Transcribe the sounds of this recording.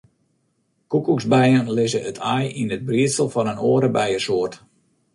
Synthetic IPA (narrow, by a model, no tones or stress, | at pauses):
kukukzbɛjənlɪzəətʰajinəd̚briətsəlˠfɔnənoəɾəbɛjəsoərt